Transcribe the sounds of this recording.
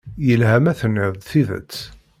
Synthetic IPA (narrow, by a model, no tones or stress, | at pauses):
jəlhæmæθənɪðˤθiðə̰t͡sː